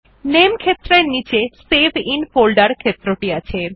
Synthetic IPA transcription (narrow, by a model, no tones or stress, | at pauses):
nemkʰet̪ːɾeɾnit͡ɕesebʱinfolɖaɾkʰet̪ːɾoʈiat͡ɕʰe